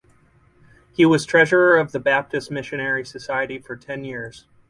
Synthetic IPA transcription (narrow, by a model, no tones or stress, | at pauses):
hiwʌz̥tʰɹ̥ɛʒə˞ə˞ʌvðɨbæp̚tɨstmɪʃɨnɛɹisɨsaɪɨɾifə˞tʰɛ̃njɪɹz̥